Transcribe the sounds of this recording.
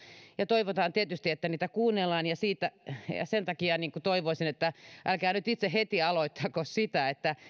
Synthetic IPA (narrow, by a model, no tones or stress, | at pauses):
jɑt̪oiʋot̪ɑːnt̪iet̪yst̪iet̪ːæniːt̪ækuːnːelːɑːnjɑsiːt̪æjɑ̰sent̪ɑkiɑniːŋkut̪oiʋoisinet̪ːæʔælkæːnyt̪it̪sehet̪iɑloit̪ːɑːkossit̪æet̪ːæ